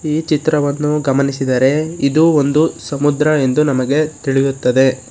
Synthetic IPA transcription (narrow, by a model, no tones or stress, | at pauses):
iːt͡ʃit̪ɾɐʋɐnːuɡɐmɐnisid̪ɐɾe̞id̪uo̞nd̪usɐmud̪ɾɐe̞nd̪unɐmɐɡe̞t̪iɭijut̪ːɐd̪e̞